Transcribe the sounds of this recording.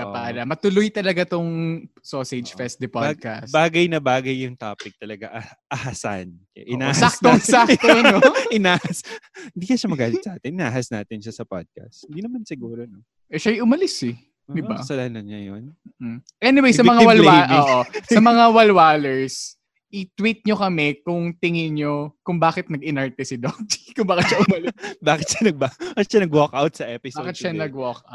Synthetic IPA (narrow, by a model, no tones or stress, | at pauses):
kɐpaːɾɐmɐt̪ʊlʊjt̪ɐlɐɡat̪oŋsoːsɛd͡ʒfɛst̪d̪ɪpad̪̚kɐsbaːɡɐjnɐbaːɡɐjːʊŋt̪aːpɪk̚t̪ɐlɐɡaʔɐ | ʔɐhasa̰nkɐ̰ʔɪnaːsak̚t̪oŋsakt̪onoɪnaːhɐshɪnd̪iːkɐʃɐmɐɡaːlɪt̪sɐʔaːt̪ɪnʔɪnaːhɐsnaːt̪ɪnʃasɐpa̰d̪̚kɐ̰st̪̚hɪnd̪iːnɐmansɪɡuːɾono | ʔɛʃajʔʊmɐlɪsɛ | d̪ɪbba̰sɐlanɐɲɐjo̰nm̩ːʔmʔɛnɪwejsɐmɐŋawɐlaʔoːʔoɐmɐŋawɐlwaːlɛɹs | ʔɪt̪wit̪̚ɲokɐmɛkʊŋt̪ɪŋɪɲokʊŋbaːkɪt̪̚nɐɡɪnɐɹt̪ɛsɪd̪ot̪kʊŋbaːkɪt̪ʃɐʔʊmɐlbaːkɪt̪̚ʃɐnɐɡ̚babakɪt̪ʃanɐɡwokʔawt̪̚sɐʔɛpɪsbakɪt̪ʃɐnɐɡwɔka̰